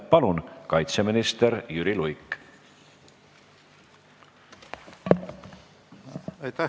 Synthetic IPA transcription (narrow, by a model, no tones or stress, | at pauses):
pɑlunkɑjt̪seminist̪eɾjyɾilujkː | ɑjt̪æ